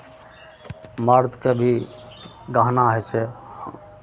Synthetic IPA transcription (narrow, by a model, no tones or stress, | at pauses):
məɾd̪kebʱi | ɡaɦnaɦɛt͡ʃʰɛ